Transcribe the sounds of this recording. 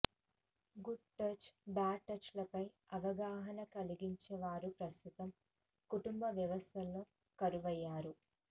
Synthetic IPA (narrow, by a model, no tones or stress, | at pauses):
ɡuɖ̚ʈɐt͡ʃbaːʈːɐt͡ʃlɐpɐj | ɐʋɐɡaːɦɐnɐkɐliɡiɲt͡ʃɛʋaːɾupɾɐst̪ut̪ɐm | kuʈumbɐʋjɐʋɐst̪ʰɐlːoː | kɐɾuʋɐjːaːɾu